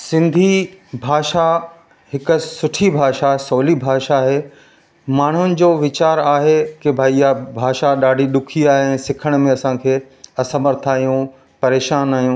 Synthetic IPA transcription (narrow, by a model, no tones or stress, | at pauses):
sɪ̃nd̪ʱibʱaːʃa | hɪkʊ̆sʊʈʰibʱaːʃasoːlibʱaːʃaɦeː | maːɳ̤ʊnɪ̆d͡ʑoːʋɪt͡ɕaːɾaːɦekebʱaːijabʱaːʃaɗaːɖʱiɗʊkʰiaːɦeɛ̃ːsɪkʰəɽ̃mẽɐsãkʰeː | ɐsəməɾt̪ʰaːɦijũ | pɐɾeːʃaːnaːɦijũː